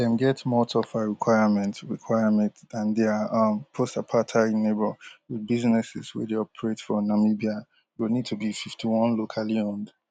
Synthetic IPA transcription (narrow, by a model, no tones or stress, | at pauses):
dɛ̃nɡɛtmɔtʰɔfaɹikʰw̥aɪamɛ̃ntɹikʰwaɪamɛ̃ntðãndɛaʌ̃mpʰostapʰatʰaĩnebɔwidbiznɛsɪ̰swḭdeɔpʰɹetfɔnamibia | winid̚tʰubififtʰiwɔ̃nlokʰaliɔ̃nd